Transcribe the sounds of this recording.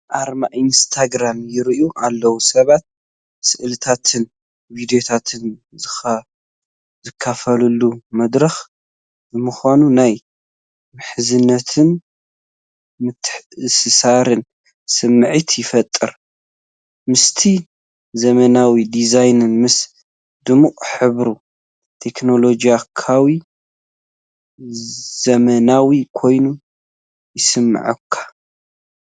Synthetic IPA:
ʔaɾmaʔinst̪ʰaɡɾamjɪɾʔuʔalːɐwusɐβat̪̚ | sɨʔlɨt̪ʰat̪ʰɨn | vid̪ijot̪ʰat̪ʰɨn | zɨxɐ | zɨkʰːafɐlulːumɐd̪ɾɐx | bɨmɨxonunaj | mɨħɨzɨnːɐt̪ʰɨn | mɨt̪sɨsaɾɨn | sɨmːɨʕit̪ʰjɪfɐt̪ʼːɨɾ | mɨst̪ʰi | zɐmɐnawid̪izajnɨnmɨs | d̪ɨmuʔʼħɨβɾu | t̪ʰe̞kno̞lo̞d͡ʒijakʰawi | zɐmɐnawikʰo̞jnu | jɪsɨmːɨ̰ʕɨ̰kʰːḁ

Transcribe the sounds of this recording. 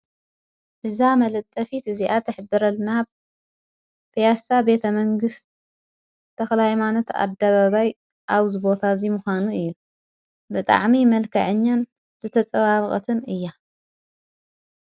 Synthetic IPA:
ʔɨzamɐlɐt̪ʼːɐfit̪ɨziʔat̪ʰɨħbɨɾɐlna | pʰijasabe̞t̪ʰɐmɐŋɡɨst̪ʰː | ɐxlajmanɐt̪a̰d̪aβaβaj | ʔaβzɨβo̞t̪ʰazimʊxʷanuɨjːu | bɨt̪ʼa̰ʕmimɐlkʰɐ̰ʕɨɲːan | z̥ɨt̪ʰɐt͡sʼɐβaβkʼɐ̰t̪ʰɨnɨjːa

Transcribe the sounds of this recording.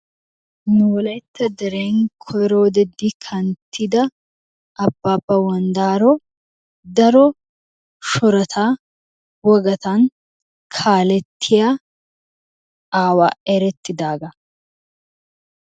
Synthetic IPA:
nuɔlɛt̪ːɐd̪ɛɾeːŋkʰɔɾoːd̪ɛd̪ɪkʰɐnt̪ʰːɪd̪ɐ | ɐbːaːpːɐwɐnd̪aːɾɔ | d̪ɐɾɔ | ʃɔɾɐt̪ʰaː | wɔɡɐt̪ɐn | kʰaːlɛt̪ʰːɪja | aːwa̰ːɛɾɛt̪ːɪd̪aːɡɐ

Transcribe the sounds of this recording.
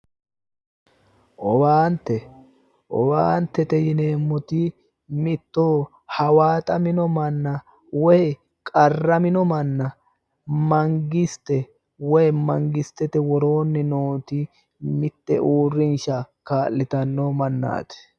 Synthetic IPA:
ʔɔbaːnt̪ːɛ | ʔɔbaːnt̪ːɛt̪ɛjɪne̞ːmːʊt̪ɪ | mɪt̪ːoː | hɐwaːt̪ʼɐmɪnɔmɐnːɐ | wɔj | kʼɐrɐmɪnɔmɐnːɐ | mɐŋɡɪst̪ːɛ | wɔjmɐŋɡɪst̪ːɛt̪ɛwɔɾo̞ːnːɛnoːt̪ɪ | mɪt̪ːɛ̰ʔuːrːɪnʃɐkaːlːɪt̪ɐnːomɐnːa̰ːt̪ɛ̥

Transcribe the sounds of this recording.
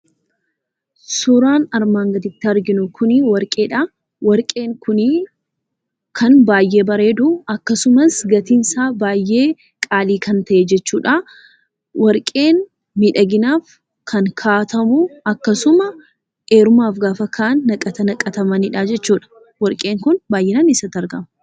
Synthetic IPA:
sʊɾaːnɐɾmaːŋɡɐd̪ɪt̪ːɪɐɾɡɪnʊkʰʊnɪwɐɾkʼe̞ːᶑɐ | wɐɾkʼeːŋkʊn | kʰɐnbaːjːe̞ːbɐɾe̞ːd̪ʊɐkːɐsʊmɐsɡɐt̪insaːbaːjːe̞ː | kʼaːliːkʰɐnt̪ɐʔɛd͡ʒɛt͡ʃːuːᶑa | wɐɾkʼe̞ːn | mɪᶑɐɡɪnaːf | kʰɐŋkʰaːt̪ɐmʊɐkːɐsʊmɐ | e̞ːɾʊmaːfɡaːfɐkʰaːʔɐnːɐkʼɐt̪ɐnɐkʼɐt̪ɐmɐnɪᶑaːd͡ʒɛt͡ʃːuːᶑɐ̥ | wɐɾkʼe̞ːŋkʊnbaːjʔɛnɐnɪsɐt̪ːɐɾɡɐmɐ

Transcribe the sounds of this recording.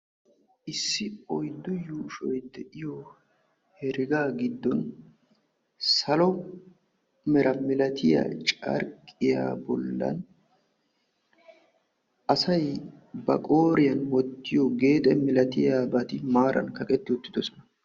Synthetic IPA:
ʔɪsːɪɔjd̪ːʊjuːʃɔjd̪ɛʔɪjɔ | hɛɾɪɡaːɡɪd̪ːɔn | sɐlɔ | mɛɾʔɐmɪlɐt̪ʰɪja̰ːt͡ʃʼɐ̰ɾkʼːɪja̰ːbɔ̰lːɐ̰n | ɐsɐjbɐ̰kʼoːɾɪjɐnwɔt̪ːɪjɔɡe̞ːt̪ʼɛmɪlɐt̪ɪjaːbɐt̪ɪmaːɾʔɐ̰nkɐkʼɛt̪ːɪʊt̪ːɪd̪ɔsɔ̥nɐ

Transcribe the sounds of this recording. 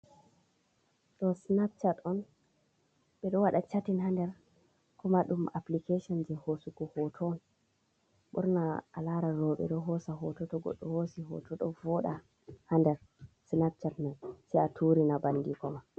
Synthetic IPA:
ɗɔsnap̚t͡ʃatɔn | ɓɛɗɔwaɗat͡ʃatinɦandɛɾ | kɔmaɗumaplikeʃɔnd͡ʒɛhosuɡɔhɔtʰɔːn | ɓṵɾna̰ːlaɾaɾɔɓɛ̰ɗɔɦɔsaɦɔtɔtɔɡɔ̰ɗːɔhosiɦɔ̰tʰɔɗɔvɔɗa | handɛɾ | snap̚t͡ʃatmansɛatʰuɾinabandikɔma

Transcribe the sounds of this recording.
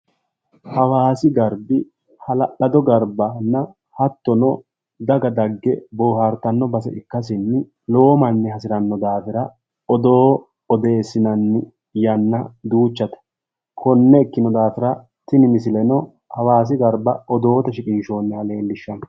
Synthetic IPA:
hɐwaːsɪɡɐɾbɪ | hɐlɐɗɐd̪ɔɡɐɾbɐnːɐ | hɐt̪ːɔnɔ | d̪ɐɡɐd̪ɐɡːɛboːhɐɾt̪ɐnːɔbɐsɛ̰ʔɪkːɐs̬ɪnːɪ | lo̞ːmɐnːɪhɐsɪɾɐnːɔd̪aːfɪɾɐ | ɔd̪oː | ɔd̪e̞ːsːɪnɐnːɪ | jɐnːɐd̪uːt͡ʃːɐt̪ɐ̥ | kʰɔnːɛɪkːɪnɔd̪aːfɪɾɐ | t̪ɪnɪmɪsɪlɛnɔ | hɐwaːs̬ɪɡɐɾbɐɔd̪o̞ːt̪ɐʃɪkʼɪnʃo̞ːnːɛhɐleːlːɪʃːɐnɐ

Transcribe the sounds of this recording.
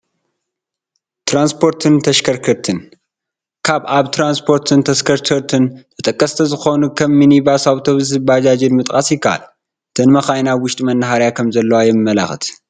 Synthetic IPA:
t̪ʰɾanspʰo̞ɾt̪ʰɨnt̪ʰɐʃkʰɐɾkʰɐɾt̪ʰɨn | kʰaβaβt̪ʰɾanspʰo̞ɾt̪ʰɨnt̪ʰɐskʰɐɾkʰɐɾt̪ʰɨnt̪ʰɐt̪ʼɐkʼːɐst̪ʰɐzɨxo̞nukʰɐmːinibasawt̪ʰo̞βzɨbad͡ʒad͡ʒɪnmɨt̪ʼkʼasjɪkːaʔa̰l | ɨt̪ʰɐnmɐxajnawʊʃt̪ʼimɐnːɦaɾjakʰɐmzɐlːɐwajɛmɨmːɐla̰xɨt̪

